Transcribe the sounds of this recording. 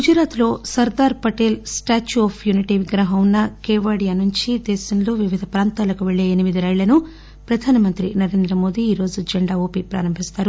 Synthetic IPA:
ɡud͡ʒɐɾaːt̪lo̞ːsɐɾd̪aːɾpɐʈeːlsʈaːt͡ʃuɐːpʰjuniʈiʋiɡɾɐɦɐunːɐkeːʋaːɽijaːnuɲt͡ʃid̪ɛːsɐnlo̞ːʋiʋid̪ʱɐpɾaːnt̪aːlɐkuʋeɭːeːnimid̪iɾɐjɭːlɐnu | pɾɐd̪ʱaːnɐmɐnt̪ɾinɐɾe̞ːnd̪ɾɐmo̞ːd̪iːɾo̞ːd͡ʒuɐd͡ʒɐɳɖaːoːpipɾa̰ːɾɐmbʱist̪aːɾu

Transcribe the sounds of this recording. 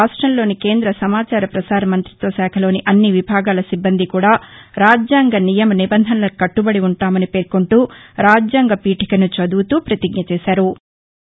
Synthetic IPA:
aːʂʈɾɐmlo̞ːnike̞ːnd̪ɾɐsɐmaːt͡ʃaːɾɐpɾɐsaːɾɐmɐnt̪ɾit̪ʋɐsɛːkʰɐlo̞ːniʔɐnːiʋibʱaːɡaːlɐsibːɐnd̪ʱikuːɽaː | ɾaːd͡ʒjaːŋɡɐnijɐmɐnibɐnd̪ʱɐnɐlɐkɐʈːubɐɽiuɳʈaːmɐnipeːɾkuɳʈuːɾaːd͡ʒjaːŋɡɐpiːʈikɐnut͡ʃɐd̪uːt̪uːpɾɐt̪iɡ̚ɲɐt͡ʃɛːʃaːɾu

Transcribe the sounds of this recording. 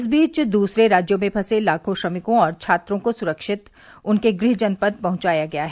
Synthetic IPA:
s̬biːt͡ʃd̪uːsɾeɾaːd͡ʒjomẽpʰɐselaːkʰõʃɾɐmɪkõɔːɾt͡ʃʰaːt̪ɾõkosʊɾəkʃɪt̪ | ʊnkeɡɾɪɦd͡ʒɐnpəd̪̚pɐɦʊ̃t͡ʃaːjaɡɐjaɦɛ

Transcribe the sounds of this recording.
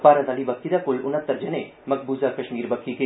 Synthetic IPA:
paːɾɐd̪aːlibɐk̚id̪akʊlʊnət̪ːəɾd͡ʒɐne | mɐkʰbuːzakɐʃmiːɾbɐkʰːike

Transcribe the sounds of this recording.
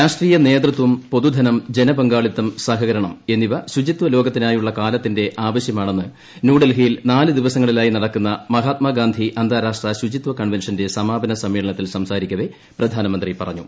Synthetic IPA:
ɾaːʂʈriːjɐne̞ːd̪rɨt̪ʋumpo̞d̪ud̪ʱɐnɐmd͡ʑe̞nɐbɐŋɡaːɭit̪ːɐmsɐɦɐɣɐɾɐɳɐme̞nːiʋɐɕud͡ʑit̪ʋɐlo̞ːɡɐt̪ːinaːjuɭːɐkaːlɐt̪ːinde̞ʔaːʋɐɕjɐmaːɳe̞nːɨ | nuːɽelɦijilnaːlɨd̪iʋɐsɐŋːɐɭilaːjinɐɽɐkːunːɐmɐɦaːt̪mɐɡaːnd̪ʱiʔɐnd̪ʱaːɾaːʂʈrɐɕud͡ʑit̪ʋɐkɐɳʋenʂɐnde̞sɐmaːbɐnɐsɐmːiːɭɐɳɐt̪ːilsɐmsaːɾikʲːɐʋe̞ | prɐd̪ʱaːnɐmɐnd̪ripɐrɐ̰ɲːu

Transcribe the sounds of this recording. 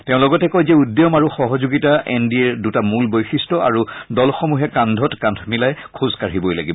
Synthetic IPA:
teʊ̃lɔɡɔtɛkojzɛudːjɔmaɹuxɔɦɔzuɡitaʔɛ̰ndiɛɹdutamulbojxistɔa̰ɹudɔlxɔmuɦɛkãndʱɔtkãndʱʰɔmilajkʰuzkaɹibojla̰ɡib

